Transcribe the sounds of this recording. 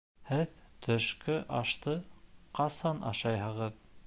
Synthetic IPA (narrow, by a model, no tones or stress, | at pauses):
hɘðt̪ʰɵ̆ʃkɵʔɑʃt̪ɤqɑsɑnɑ̰ʃɑjhɤ̆ʁɤð